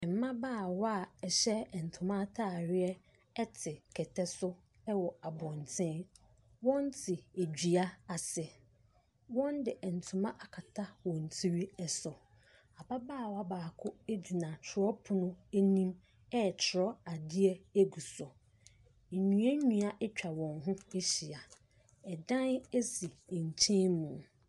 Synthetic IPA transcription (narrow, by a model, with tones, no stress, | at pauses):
m˨˦mã˦baː˦˨wa˦˨ɛ˨ɕɛ˦ɛ˨n̩˨tʰʊ̃˨mã˦tʰa˦˨ɾɪ˦ɛ˦ | ɛ˦tʰɪ˨kʰɛ˨tʰɛ˦sʊ˦ | ɛ˦wɔ˨a˨bɔ̃˨n˨tʰɛ̃ː˦ | wɔ̃˦n˦tʰɪ˨e˨d͡ʑᶣi˨a˦a˨sɪ˨ | wɔ̃˦ndɪ˨ʔɛ˨n̩˨tʰʊ̃˨mã˦ʔa˨kʰa˨tʰa˦wɔ̃˨n̩˨tʰi˦ɾi˦ɛ˨sɔ˨ | a˨ba˦baː˦˨wa˦˨baː˨kʰʊ˦e˦du˨nã˨tʰɾɔ˦pʰʊ˦nʊ̃˦e˦nĩ˦m | ɛ˦˨t͡ɕʰɪ˨ɾɔ˦a˨dɪ˦ɛ˦e˦ɡu˨sɔ˨ | ɲũ˨˦ɛ˦ɲũ˨a˨ʔɛ˦t͡ɕᶣa˨wɔ̃˨ŋɦʊ̃˦e˦ɕi˨a˨ | ɛ˨dã˦ne˦si˨ɲ̩˨t͡ɕʰɛ̃˦mũ˨